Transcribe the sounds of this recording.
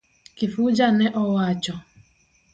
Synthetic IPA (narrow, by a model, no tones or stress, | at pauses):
kifud͡ʒaneʔɔwat͡ʃɔ